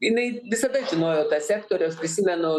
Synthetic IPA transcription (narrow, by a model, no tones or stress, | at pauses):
jɪnɐɪʋʲɪsɐd̪ɐʒʲɪnoːjoːt̪ɐsʲæːkt̪oːɾʲɛɐspʲɾʲɪsʲimʲɛnʊ